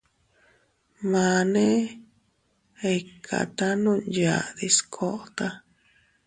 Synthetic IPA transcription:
mã˧nẽ˦ | e˧˨kʰa̰˨t̪a˦nũ˦ja˧˨ði˧skʰo˧ʔt̪a˦

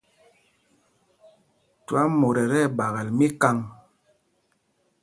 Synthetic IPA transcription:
tu˨a˦mo˨ɾɛ˨ɾɛ˦˨ɓa˨ɣa˨lmi˦ka˦ŋ

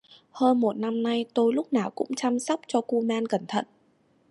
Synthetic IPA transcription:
həː˧nmo˨˩t̚na˧mna˧jt̪o˧jlʊ˦˥k͡p̚naː˨˩wkʊ̰˧˥ŋ͡mt͡ɕaː˧msa˦˥wk͡p̚t͡ɕɔ˧ku˧maː˧nkə˧˩nt̪ʰə̰˧˨nʔ

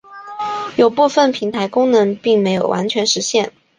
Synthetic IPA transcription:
jo˨˩ʊpu˥˧fə˥˩npʰi˧˥ŋt̪ʰa˧˥ɪkʊ˥ŋnɤ˧˥ŋpi˥˩ŋme˧˥ɪjo˨˩ʊwa̰˧˥nt͡ɕʰɥɛ˧˥nʂɻ̩˧˥ɕjɛ˥˩n

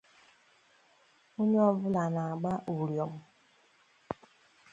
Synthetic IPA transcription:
o˦ɲ˦ɔ˦vʊ˦la˨na˨a˨ɡ͡ba˦ʔu˨ɾjɔ˨m̩˦

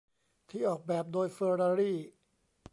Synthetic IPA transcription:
t̪ʰiː˥˩˨ʔɔː˨˩k̚bɛː˨˩p̚doː˧jfɤː˧ɾaː˧ɾiː˥˩

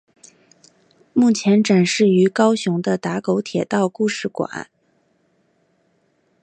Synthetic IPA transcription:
mu˥˩t͡ɕʰjɛ˧˥nʈ͡ʂa˨˩nʂɻ̩˥˩y˧˥kɑ˥ʊɕʊ˧˥ŋd̪ə˧t̪a˧˥ko˧˥ʊt̪ʰjɛ˨˩t̪ɑ˥˧ʊku˥˧ʂɻ̩˥˩kwa̰˨˩˦

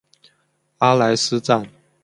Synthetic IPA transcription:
a˥la˧˥ɪs̩˦t͡sa˥˩n

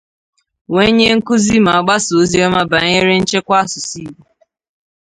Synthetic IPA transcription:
we˦ɲe˦ŋ̩˦kʊ˦zi˦ma˨a˨ɡ͡ba˦so˨˦zi˦ɔ˦ma˦ba˨ɲe˦ɾe˦n̩˦t͡ʃe˦kʷa˦sʊ˨si˦bu˨

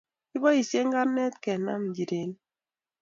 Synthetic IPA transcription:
ki˦bɔ˦i˨sje˦ŋɡa˦nɛ˦t̪kɛ˨na̰˦m˨d͡ʒi˨de˨n˦

